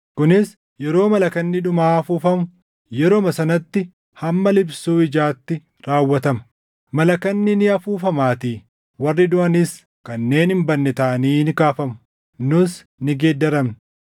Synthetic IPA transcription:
kʊnɪs | jɛɾo̞ːmɐlɐkɐnːɪᶑʊmaːɐfuːfɐmʊ | jɛɾoːmɐsɐnɐt̪ːɪ | hɐmːɐlɪbsuːɪd͡ʒaːt̪ːɪ | ɾaːwːɐt̪ɐmɐ̥ | mɐlɐkɐnːɪnɪɐfuːfɐmaːt̪iː | wɐrːɪd̪ʊʔɐnɪs | kɐnːe̞ːnɪmbɐnːɛt̪aːniːnɪkaːfɐmʊ̥ | nʊs | nɪɡeːd̪ːɐɾɐmn

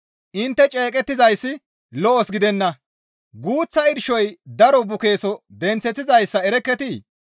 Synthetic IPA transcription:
ʔɪnt̪ːɛt͡ʃʼeːkʼɛt̪ːɪzɐjsːɪ | lɔʔɔsɡɪd̪ɛnːɐ | ɡuːt͡sːɐɪɾʃɔjd̪ɐɾɔbʊke̞ːsɔd̪ɛnt͡sːɛt̪ːɪzɐjsːɐɛɾɛkːɛt̪i

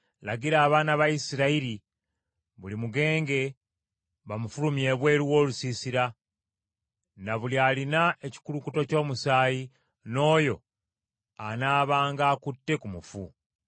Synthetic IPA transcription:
laɡiɾaːβaːnaβaisiɾaiɾi | βulimuɡe̞ːŋɡe̞ | βamufulumje̞ːβwe̞ːɾuwo̞ːlusiːsiɾa | naβulialinae̞ci̥kulukuto̞co̞ːmusaːji | no̞ːjo̞ | anaːβaːŋɡaːkutːe̞kumufu

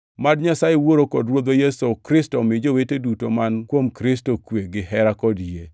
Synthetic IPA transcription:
madɲasajewoɾokɔdɾwod̪ojesokɾɪstɔmɪd͡ʒowetedutomankwomkɾɪstokweɡɪɦɛɾakɔdje

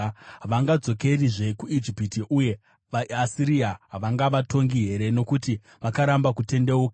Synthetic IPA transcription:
ʋaŋɡad͡zo̞ke̞riʐe̞kuid͡ʒipitiʔuje̞ | ʋaasiɾiaʋaŋɡaʋatʰo̞ŋɡiɦe̞ɾe̞no̞kuti | ʋakaɾambakute̞ndeoka

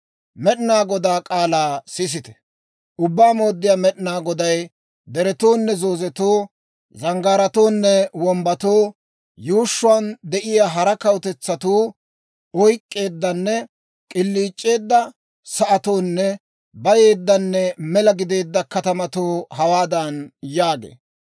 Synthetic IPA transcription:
mɛɗɪnaːɡɔd̪aːkʼaːlaːsɪs̬ɪt̪ɛ̥ | ʔʊbːaːmo̞ːd̪ːɪjaːmɛɗɪnaːɡɔd̪ɐj | d̪ɛɾɛt̪oːnːɛzo̞ːzɛt̪oː | zɐŋɡaːɾɐt̪o̞ːnːɛwɔmbɐt̪o̞ː | juːʃːʊand̪ɛʔɪjaːɦɐɾɐkɐwt̪ɛt͡sːɐt̪uː | ɔjkʼːe̞ːd̪ːɐnːɛ | kʼɪlːiːt͡ʃʼːe̞ːd̪ːɐ | sɐʔɐt̪o̞ːnːɛ | bɐje̞ːd̪ːɐnːɛmɛlɐɡɪd̪e̞ːd̪ːɐkɐt̪ɐmɐt̪oːɦɐwaːd̪ɐnjaːɡḛː

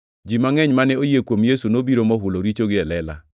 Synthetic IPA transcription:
d͡ʒimaŋɛɲmanɛojekwomjesunobiɾomɔɦʊloɾit͡ʃoɡɪɛlɛla̰

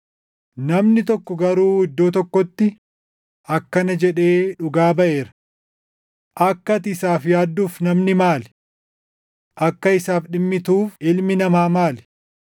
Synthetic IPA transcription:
nɐmnɪt̪ɔkːɔɡɐɾuːɪd̪ːoːt̪̬ɔkːɔt̪ːɪ | ɐkːɐnɐd͡ʒɛᶑe̞ːᶑʊɡaːbɐʔe̞ːɾɐ̥ | ʔɐkːɐt̪ɪsaːfjaːd̪ːuːfnɐmnɪmaːl | ʔɐkːɐɪsaːfɗɪmːɪt̪uːfɪlmɪnɐmaːmaːl

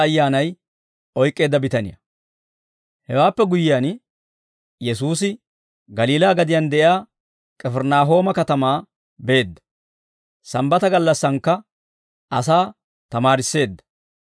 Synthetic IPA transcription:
ɐjːaːnɐj | ɔjkʼːe̞ːd̪ːɐbɪt̪ɐnɪ̰jɐ̰ | hɛwaːpːɛɡʊjːɪjan | jɛs̬uːsɪ | ɡɐliːlaːɡɐd̪ɪjand̪ɛʔɪaː | kʼɛfɛɾnaːɦo̞ːmɐkɐt̪ɐmaː | be̞ːd̪ːɐ̥ | sɐmbɐt̪ɐɡɐlːɐsːɐŋkːɐ | ɐsaː | t̪ɐmaːɾɪsːe̞ːd̪ːɐ̥

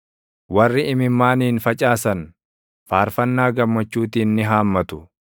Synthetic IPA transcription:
wɐrːɪɪmɪmːaːniːnfɐt͡ʃʼaːsɐn | faːɾfɐnːaːɡɐmːɐt͡ʃːuːt̪iːnːɪɦaːmːɐt̪ʊ̥

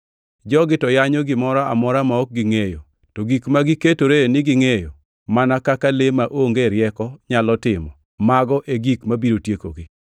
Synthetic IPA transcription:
d͡ʒɔɡɪtɔjaɲɔɡɪmɔɾaa̰mɔɾamaɔk̚ɡɪŋejo | toɡikmaɡɪketoɾenɪɡɪŋejo | manakakalemaʔoŋɡeɾɪjɛkɔɲalɔtɪmɔ | maɡɔʔeɡikmabiɾotjeko̰ɡɪ

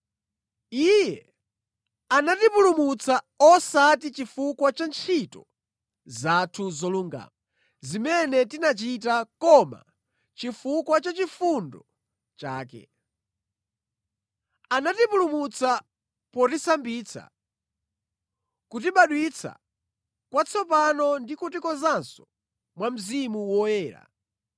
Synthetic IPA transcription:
ijɛ | anatipulumut͡sa | ɔsatit͡ʃifukwat͡ʃant͡ʃʰitɔ | zatʰuzɔluŋɡa̰ːma | zimɛnɛtinat͡ʃit̬akɔma̰ | t͡ʃifukwat͡ʃat͡ʃifundɔ | t͡ʃaːkɛ̰ | anatipulumut͡sa | pɔtisambit͡sʰa̰ | kut̬iɓaɗwit͡sʰa̰ | kwat͡sʰɔpanɔndikutikɔzansɔ | mwam̩zimuwɔjɛːɾa̰

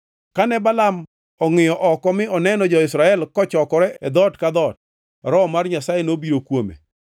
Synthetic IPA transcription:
kanɛbalam | ɔŋɪjɔʔɔkɔmɪɔnɛnɔd͡ʒɔɪsɾaɛlkɔt͡ʃɔkɔɾɛɛd̪ɔtkad̪ɔt̚ | ɾɔmarɲasajenobiɾokwomḛ

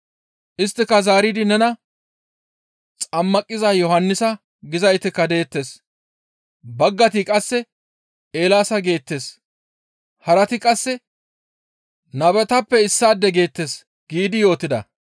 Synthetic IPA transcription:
ʔɪst̪ːɪkːɐzaːɾid̪ɪnɛnɐ | t͡sʼɐmːɐkʼːɪzajɔhɐnːɪsɐ | ɡɪzɐjt̪ɪkːɐd̪e̞ːt̪ːe̞ːs | bɐɡːɐt̪ɪkʼɐsːɛ | e̞ːlaːsɐɡe̞ːt̪ːe̞ːs | hɐɾɐt̪ɪkʼɐsːɛ | nɐbɛt̪ɐpːɛɪsːaːd̪ːɛɡe̞ːt̪ːe̞ːs | ɡ̥iːd̪ɪjo̞ːt̪ːɪd̪ɐ̰

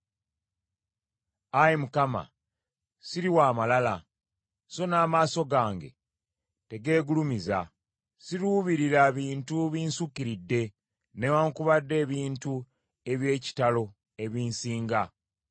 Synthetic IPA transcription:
ajimukama̰ | siɾiwaːmalala | so̞naːmaːso̞ɡaːŋɡe̞̰ | te̞ɡe̞ːɡulumiza | siɾuβiɾiɾaβiːntuβiːnsukːiɾidːe̞ | newaːŋkuβadːe̞ːβiːntu | e̞βje̞ːci̥talo̞ | e̞βiːnsiːŋɡa

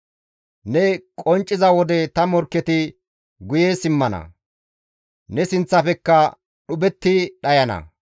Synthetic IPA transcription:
nɛkʼɔnt͡ʃʼːɪzɐwɔd̪ɛt̪ɐmɔɾkːɛt̪ɪ | ɡʊjeːsɪmːɐnɐ̰ | nɛsɪnt͡sːɐfɛkːɐ | ɗʊbɛt̪ːɪɗɐjɐnɐ̰

